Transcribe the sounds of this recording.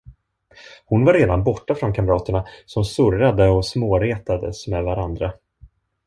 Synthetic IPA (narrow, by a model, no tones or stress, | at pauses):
hʊnvaɾeːd̪anbɔʈːafɾɔnkʰamɾɑːt̪əɳasɔmsɵɾad̪əɔsmoːɾeːt̪ad̪ə̰smɛd̪vaɾand̪ɾa